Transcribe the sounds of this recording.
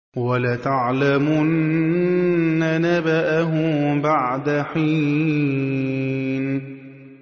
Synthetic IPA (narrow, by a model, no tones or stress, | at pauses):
walat̪aʕlamʊn | nːanabaʔaɦʊbaʕd̪aħi | n